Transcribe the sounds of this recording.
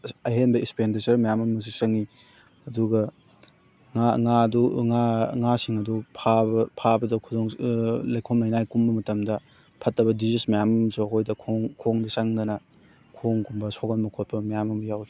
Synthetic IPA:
ɐɦenbɐispendisɐɾmɐjamɐmɐs̬isɐŋi | ɐduɡɐ | ŋaŋaduŋaŋasiŋɐdupʰabɐpʰabɐdɐkʰudoŋlɐjkʰomlɐjnajkumbɐmɐtɐmdɐ | pʰɐtːɐbɐdizismɐjamɐmɐsuɐkʰojdɐkʰoŋkʰoŋdɐsɐŋdɐnɐ | kʰoŋkumbɐsoɡɐnmɐkʰot̚pʰɐmɐjamɐmɐjawi

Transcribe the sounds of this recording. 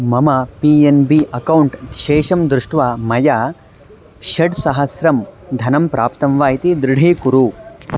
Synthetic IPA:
mɐmɐpiːenbiʔɐkɐwuɳʈ̪ʃeːʃɐmd̪ɾuʂʈʋaːmɐja | ʃɐɖsɐɦɐsɾɐmd̪ʱɐnɐmpɾaːpt̪ɐmʋaːjit̪id̪ɾɪɽ̤ʱiːkuɾu

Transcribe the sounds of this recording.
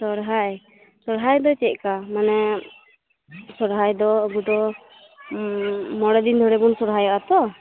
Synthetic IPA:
sɔɾɦaj | sɔɾɦajd̪ɔt͡ʃɛt̪̚ˀkamanɛ | sɔɾɦajd̪ɔːɡud̪ɔ | mɔɽɛd̪ind̪ʱɔɽɛbunsɔɾɦajaʔat̪ɔ

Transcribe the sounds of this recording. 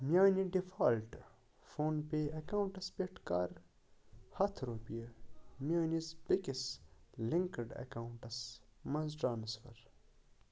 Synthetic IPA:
mjaːniɖifaːlʈ | foːnpeːɐkaːwuɳʈɐspeʈka̰ːɾ | hɐt̪ʰɾoːpijɐmjaːnizbikisliŋkɐɖɐ̰kauɳʈɐsmɐnzʈɾaːnsfɐ̰ɾ

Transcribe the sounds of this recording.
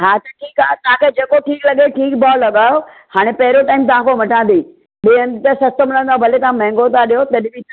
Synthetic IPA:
ɦaːt̪ɐʈʰiːkat̪ɐ̤ãkʰeːd͡ʑeːkoʈʰiːklɐɠeʈʰiːkbaːlɐɠaːjo | haːɽ̃epɐɦɪɾoʈaːɪmt̪ɐʋ̤ãkomɐʈʰãːnd̪iː | ɗiə̃nt̪ɐsɐst̪əmlə̃nd̪aobʱɐlet̪ɐãmɛ̃ɦŋɡot̪ʰaɗijot̪ɐɗbi

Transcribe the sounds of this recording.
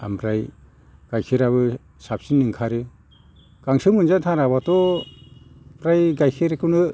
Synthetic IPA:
a̰mbɾaj | ɡ̥ajkʰiɾaβɯ | sap̚sinɯŋkʰaɾɯ | ɡ̥aŋsɯmɯnzatʰaɾaβatɔ | bɾajɡajkʰiɾkunɯ

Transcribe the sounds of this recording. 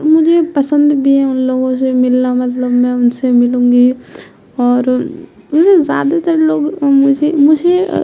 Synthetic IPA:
mʊd͡ʒʱepɐsə̃nd̪bʱiɦɛ̃ʊnloːɡõs̬emɪlnamɐt̪ləbmɛ̃ʊnsemɪlũːŋɡi | ɔːɾ | ʊsezja̰ːd̪at̪ɐɾeloːɡmʊd͡ʒʱemʊd͡ʒʱe

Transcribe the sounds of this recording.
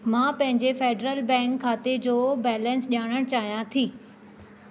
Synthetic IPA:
mãːpɐ̃ɦɪ̃ɲd͡ʑefeːɖɾəlbɛ̃ːŋkʰːaːt̪ed͡ʑoːbɛːlə̃nsʄaːɽ̃əɽ̃t͡ɕaːɦijãt̪ʰiː

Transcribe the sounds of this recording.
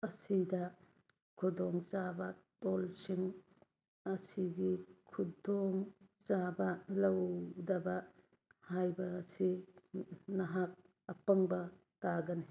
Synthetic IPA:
ɐsidɐ | kʰudoŋt͡ʃabɐtolsiŋ | ɐsiɡikʰudoŋt͡ʃabɐlɐwdɐbɐ | hajbɐːsi | nɐɦak̚ | ɐpɐŋbɐ | taɡɐni

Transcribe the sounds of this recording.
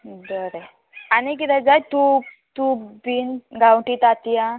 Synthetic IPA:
d̪əɾe | anik̬it̪ɛd͡zajt̪u | t̪ubinɡawɳʈit̪at̪ijã

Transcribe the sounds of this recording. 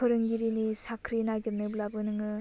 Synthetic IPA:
ɯɾɯŋɡiɾinisakʰɾinaɡinɯblabɯnɯŋɯ

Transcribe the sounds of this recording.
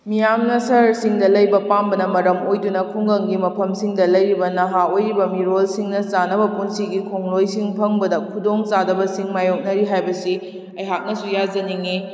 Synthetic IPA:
mijamnɐsɐɾsiŋdɐlɐjbɐpambɐnɐmɐɾɐmojdunɐkʰuŋɡɐŋɡimɐpʰɐmsiŋdɐlɐjɾibɐnɐɦaojɾibɐmiɾolsiŋnɐt͡ʃanɐbɐpunsiɡikʰoŋlojsiŋpʰɐŋbɐdɐkʰudoŋt͡ʃadɐbɐsiŋmajok̚nɐɾiɦajbɐsi | ɐjɦak̚nɐsujad͡ʒɐniŋi

